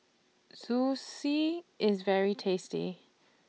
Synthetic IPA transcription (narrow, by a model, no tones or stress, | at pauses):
z̥usiɪzvɛɹitʰestḭ